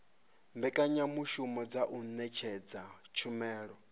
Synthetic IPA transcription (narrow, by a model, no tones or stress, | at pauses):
mbɛkʼaɲamuʃumɔd͡zaʔunɛt͡ʃʰɛd͡zat͡ʃʰumɛːɺɔ